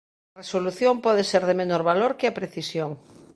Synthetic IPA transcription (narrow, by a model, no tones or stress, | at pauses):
ɐresoluθjompɔðeseɾðemenoɾβaloɾkɪapɾeθisjoŋ